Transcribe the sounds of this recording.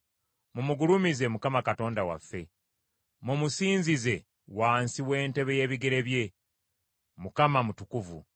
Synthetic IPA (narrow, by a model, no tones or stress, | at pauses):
mumuɡulumize̞mukamakato̞ːndawa̰fːe̞ | mumusiːnzize̞ | waːnsiwe̞ːnte̞βe̞je̞ːβiɡe̞ɾe̞βje̞ | mukamamutukuvṵ